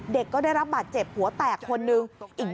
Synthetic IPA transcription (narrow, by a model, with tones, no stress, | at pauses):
de˨˩kːɔː˥˩aː˥˩jɾa˦˥p̚baː˨˩t̪̚t͡ɕe˨˩p̚hu˨˩˦ət̪ɛː˨˩kʰːo˧nːɯ˧ŋʔi˨˩k̚